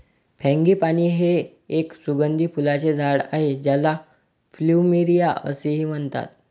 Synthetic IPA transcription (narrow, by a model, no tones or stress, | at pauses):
pʰɛ̃ŋɡiːpaɽ̃iːɦeː | ksuɡənd̪ʱiːpulat͡sed͡zʱaɽa̰ɦed͡ʑjala | fluːmiɾijaə̰seɦiːm̤əɳt̪a̰t̪̚